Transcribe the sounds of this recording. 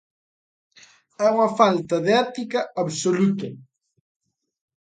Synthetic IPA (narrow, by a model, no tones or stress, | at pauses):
ɛuŋɐfalt̪ɐðeɛt̪ikɐaβsolut̪ɐ